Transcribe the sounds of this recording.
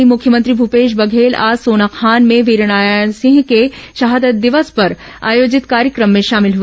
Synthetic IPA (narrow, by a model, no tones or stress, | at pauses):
imʊkʰjəmə̃nt̪ɾibʱupeːʃ̬bɐɡʱeːla̰ːsoːnakʰaːnmẽʋiɾɽ̃aːjsɪ̃ŋɡkeʃɐɦaːd̪ət̪̚d̪ɪʋəspɐɾ | a̰ːjoːd͡ʒɪt̪kaːɾjəkɾəmːẽʃaːmɪlɦu